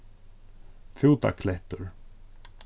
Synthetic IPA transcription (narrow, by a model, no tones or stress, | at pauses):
fuwt̪a̰kʰlɛht̪ɵɾ̥